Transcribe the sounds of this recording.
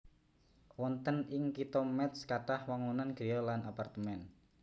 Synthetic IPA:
wɔnt̪ənɪŋkit̪ɔmɛt̪skaʈahwaŋunanɡ̥ɾijɔlanapart̪əmɛn

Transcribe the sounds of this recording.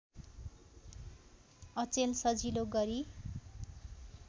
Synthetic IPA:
ʌt͡selsʌd͡ziloɡʌɾi

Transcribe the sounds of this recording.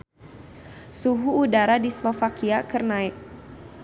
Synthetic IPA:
suɦuːdaɾadislofakiakərnaɪk̚

